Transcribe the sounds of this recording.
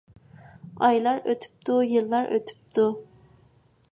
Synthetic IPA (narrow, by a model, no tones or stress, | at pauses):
ɑjlˠɑɾøt̪ʰy̥p̚t̪ujɨlˠːɑɾʔø̰t̪ʰy̥p̚t̪u